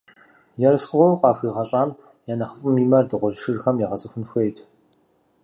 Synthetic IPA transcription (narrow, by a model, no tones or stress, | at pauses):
jɛrsxʊʁʷɔwqɑːxʷiːʁɐɕʼaːm | jaːnɐχəfʼɨmiːmɐrdɨʁʷɔʒɨʃɨrxɐmjaʁɐt͡sʼɨxʷʊnxʷejtʰ